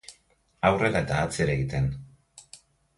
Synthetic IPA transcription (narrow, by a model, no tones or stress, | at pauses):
awrelaet̪aːt͡seɾeɣit̪e̞n